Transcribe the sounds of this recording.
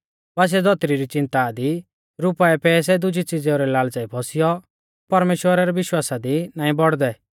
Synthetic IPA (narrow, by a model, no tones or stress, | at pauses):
ʋas̬ɛd͡zɔt̪ɾiɾit͡ʃɪ̃nt̪ad̪i | ɾʊpaɛpɛːs̬ɛd̪ʊd͡ʒʱit͡sid͡zɛɾɛlaːlt͡saːipʰɔsɪjɔ | pɐɾmeːʃwəɾaɾɛʋɪʃwaːsad̪inaːĩbɔɽd̪ɛ